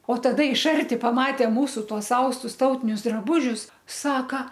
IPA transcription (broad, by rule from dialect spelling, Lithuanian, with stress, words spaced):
oː tɐˈdɐ ɪʃ ˈɐrʲtʲɪ pɐˈmɑːtʲeː ˈmuːsʊ ˈtuɔs ˈɐʊstʊs ˈtɐʊtʲɪnʲʊs drɐˈbuːʒʲʊs ˈsɑːkɐ